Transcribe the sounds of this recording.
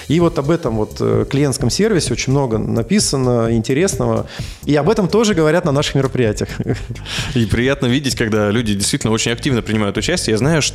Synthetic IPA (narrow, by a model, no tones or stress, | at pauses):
ivo̞t̪ɐbɛt̪əmvo̞t̪klʲɪjent̪skəmsʲe̞rvʲɪsʲɪo̞t͡ɕɪnʲmno̞ɡənɐpʲisənəɪnʲtʲɪɾʲe̞snəvə̰ | iɐbɛt̪əmt̪o̞ʐɨɡəvɐɾʲat̪nɐnaʂɨ̥xmʲɪɾəpɾʲɪjætʲɪjəx | ipɾʲɪjat̪nəvʲidʲɪtʲkɐɡd̪alʲudʲɪdʲɪst̪vitʲlʲnot͡ɕɪnʲɐk̚tʲivnəpɾʲɪnʲɪmajʊt̪ʊt͡ɕæsʲtʲjəjaznajʊʂ